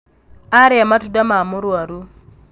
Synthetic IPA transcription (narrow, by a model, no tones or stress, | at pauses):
aɾematudamamuɾwaɾu